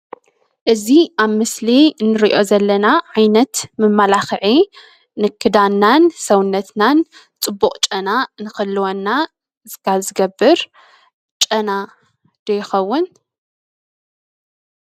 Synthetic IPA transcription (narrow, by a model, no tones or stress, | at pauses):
ʔɨziʔaβmɨslinːɨɾiʔo̞zɐlːɐnaʕajnɐt̪mɨmːalaxɨʕi | nɨkʰːɨd̪anːansɐwnːɐt̪nan | t͡sʼɨbːuχʼt͡ʃʼɐnanɨxɨlːɨwonːa | zkʰazɨɡɐbːɨɾ | t͡ʃʼɐna | d̪̥ɐjɪxɐwːʊn